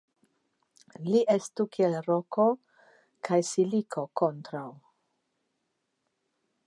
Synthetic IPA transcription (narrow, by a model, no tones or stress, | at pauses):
liʔestukʰielɾoko | kʰajsilikʰo̞kontɾaw